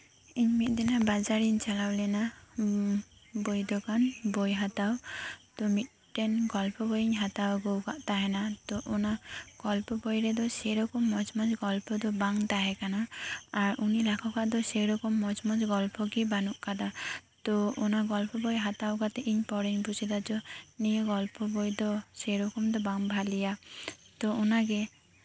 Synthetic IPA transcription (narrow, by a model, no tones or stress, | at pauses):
iɲmit̪̚ˀd̪ɛnabad͡ʒaɾiɲt͡ʃalawlɛna | bojd̪ɔkanbɔjɦat̪awt̪ɔmit̪̚ˀʈɛnɡɔlpɔbɔjiɲɦat̪awɡowkaʔt̪aɦɛnat̪ɔʔɔnaɡ̥ɔlpɔbɔjɾɛd̪ɔsɛɾɔkɔmːɔd͡ʒmɔd͡ʒɡɔlpʰɔd̪ɔbaŋt̪aɦɛkanaːɾunilakʰɔkaʔd̪ɔseɾɔkɔmːɔd͡ʒmɔd͡ʒɡɔlpɔkibanuʔkad̪at̪ɔɔnaɡɔlpɔbɔjɦat̪awɡat̪ɛʔiɲpɔɾiɲbʱusid̪ad͡ʒɔnijɔɡɔlpɔbɔjd̪ɔseɾɔkɔmd̪ɔbaŋbʱalijat̪ɔunaɡɛ